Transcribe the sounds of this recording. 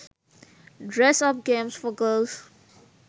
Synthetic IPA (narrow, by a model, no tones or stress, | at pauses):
ɖɹɛsʌp̚ɡẽmsfɔɡəːls